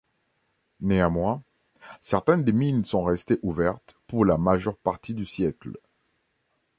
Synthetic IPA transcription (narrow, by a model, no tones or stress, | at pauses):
neamwɛ̃ | sɛʁt̪ɛnd̪eminsɔ̃ʁɛst̪eʔuvɛʁt̪puʁlamaʒœʁpaʁt̪id̪ysjɛkl